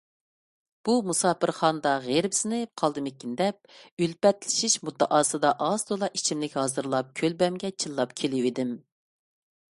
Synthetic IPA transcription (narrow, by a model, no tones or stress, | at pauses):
b̥umusɑːpɨɾχɑnd̪ɑʁeɾbɪsɪnɪqʰɑlˠd̪ɨmekʲːind̪ɛp̚ylpɛt̪lɪ̥ʃiʃmut̪ʰːəʔɑːsɨd̪ɑʔɑzd̪olˠɑʔit͡ʃʰimlɪkʲhɑːzɨɾlˠɑp̚kʲʰølbɛmɡʲɛt͡ʃʰɨlːˠɑpkʲʰelɪwid̪ɪm